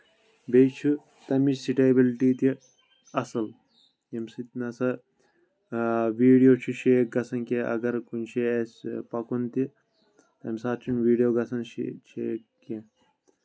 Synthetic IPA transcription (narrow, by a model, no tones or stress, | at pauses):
bejt͡ʃʰu | t̪ɐmisiʈebilʈiːt̪i | ɐsɐl | jɐmsit̪̚nɐsɐ | ʋiːɖijoːt͡ʃʰuʃeːk̚ɡɐsɐnkẽʔɐ̰ɡɐɾkunʃʰeɐsʲpɐkunt̪i | t̪ɐmisaːt̪t͡ʃʰunʋiːɖijoːɡɐsɐnʃḛt͡ʃʰeːk̚ | kẽ